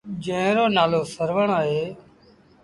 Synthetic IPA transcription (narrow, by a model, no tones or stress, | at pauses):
d͡ʒə̃ɦɾoːnaːloːsəɾʋəɳaːɦeː